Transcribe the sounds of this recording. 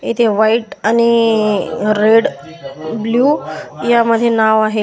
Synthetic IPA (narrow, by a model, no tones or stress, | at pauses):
it̪ʰeʋaiʈani | ɾeɽ | bluːjaməd̪ʱːjenaʋaɦe